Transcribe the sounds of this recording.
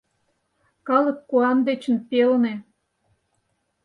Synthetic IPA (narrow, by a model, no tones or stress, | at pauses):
kɑlə̆kːuɑnd̪et͡ɕə̆npelnĕ